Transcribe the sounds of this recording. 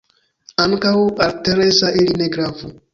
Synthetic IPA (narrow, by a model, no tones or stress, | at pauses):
aŋkawaɾteɾesaʔelineɡɾavu